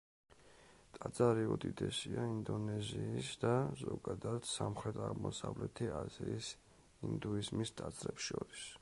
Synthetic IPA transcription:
t̪ʼat̪zʼaɾiɔd̪id̪ɛsiaind̪ɔnɛziːsd̪azɔɡad̪ad̪̥samχɾɛt̪ʰaʁmɔsavlɛt̪ʰiaziːs | ind̪uizmist̪ʼat̪zʼɾɛpsʃɔɾis

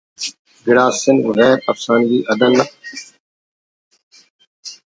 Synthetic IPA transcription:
ɡɪɽaːsɪnɣɛːɾɐ̰fsaːnɡiːʔɐd̪ənːɐ

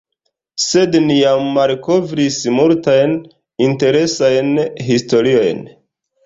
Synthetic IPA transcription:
se̞dnijamːalko̞vɾismultajn | inte̞ɾe̞sajnɦisto̞ɾio̞jn

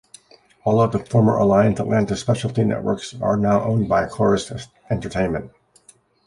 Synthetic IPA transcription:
ɔlˠʌvðəfɔɹmə˞ʔə̰laɪɨ̃nsətˡlæ̃ntəspɛʃl̩ˠtʰĩnɛ̰ʔwə̰˞ksə̰˞naʊʔõ̰ʊ̃nbaɪkʰl̥ɔɹɨst | ɛ̃ntə˞tʰẽɪ̃nmɨ̃nt̚

